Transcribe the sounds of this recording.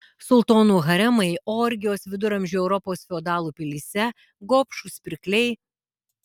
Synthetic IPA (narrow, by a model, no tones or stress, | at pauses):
sʊlˠt̪oːnuːɣɐɾʲɛmɐɪoːɾʲɡʲɪjoːsʋʲɪd̪ʊɾɐmʲʒʲuːɛʊɾɔpoːsfʲɛɔd̪ɑːlˠuːpʲɪlʲiːsʲɛ | ɡoːpʃusʲpʲɪɾʲklʲɛɪ